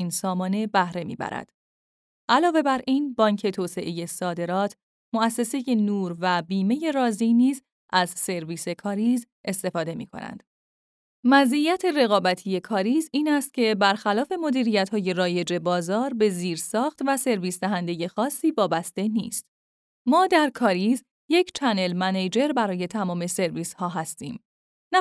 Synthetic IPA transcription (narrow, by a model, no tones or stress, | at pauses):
iːnsɒːmɒːne̞bæhɾe̞mḭːbæ̰ɾæ̰d̪̥ | ʔælɒːve̞bæɾiːnbɒːɲcʰe̞t̪ʰoːse̞ʔe̞je̞sɒːd̪e̞ɾɒːt̪ʰ | moæsːe̞se̞je̞nuːɾvæbiːme̞je̞ɾɒːziniːz | ʔæzse̞ɾviːse̞kʰɒːɾiːz | ʔe̞st̪e̞fɒːd̪e̞mḭːkʰo̞̰næ̰nd̪̥ | mæzijæt̪ʰe̞re̞ɣɒːbæt̪ʰije̞kʰɒːɾiːziːnæst̪̚cʰe̞bæɾxælɒːfe̞mo̞d̪iːɾijæt̪hɒːje̞ɾɒːje̞d͡ʒe̞bɒːzɒːɾbe̞ziːɾsɒːxt̪væse̞ɾviːsd̪æɦænd̪e̞je̞xɒːsːiːvɒːbæst̪e̞nḭːst̪ | mɒːd̪æɾkʰɒːɾiːz | je̞cʰt͡ʃʰæne̞lmæned͡ʒe̞ɾbæɾɒːje̞t̪ʰæmɒːme̞se̞ɾviːshɒːɦæst̪ḭːm | n